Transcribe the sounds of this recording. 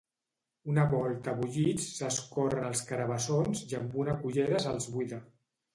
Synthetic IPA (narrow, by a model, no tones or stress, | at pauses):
unəβɔlˠt̪əβuʎit͡ssəskɔrənəlˠskəɾəβəsonzjəmbunəkuʒeɾəzəlˠzβuiðə